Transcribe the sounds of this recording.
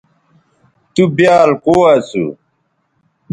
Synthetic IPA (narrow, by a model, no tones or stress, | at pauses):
t̪ubjaːlkoːasṵ